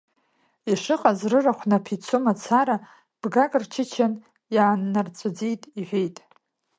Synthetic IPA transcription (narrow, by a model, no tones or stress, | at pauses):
iʂɨqʼazrɨraχʷnapʰit͡sʰumat͡sʰaɾa | b̥ɡakʼrt͡ʃʰɪt͡ʃʰan | jaːnːart͡sʷʼɨd͡zijtʼiħᶣʷe̞jtʼ